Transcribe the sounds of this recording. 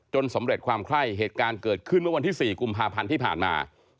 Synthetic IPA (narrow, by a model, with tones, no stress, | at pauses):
t͡ɕo˧nso˩˦mɾe˨˩kʰwaː˧mkʰɾa˥˩jɦeː˨˩t̪̚kaː˧nkɤː˨˩t̪̚kʰɯ˥˩nmɯ˥˩wa˧nt̪ʰiː˥˩siː˨˩ku˧mpʰaː˧pʰa˧nt̪ʰiː˥˩pʰaː˨˩nma̰ː˧